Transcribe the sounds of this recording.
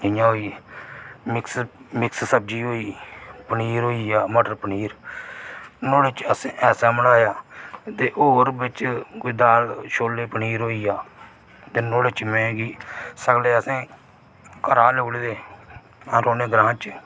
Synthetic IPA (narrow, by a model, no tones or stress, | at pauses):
d͡ʒɪjãːɦoːiː | mɪksmɪkssəb̚d͡ʒiːɦoːiːpəniːɾɦoːiːaːməʈəɾpəniːɾ | noːɽet͡ʃəsẽːʔɛːsaːməɽaːjaːt̪eːʔoːɾbɪt͡ʃkʊid̪aːlʃoːleːpəniːɾɦoːiːaː | t̪eːnoːɽɪt͡ʃmɛ̃ːɡiːsəɡleːəsẽː | kəɾaːleːld̪eː | aːɾoːneːɡɾãːt͡ʃ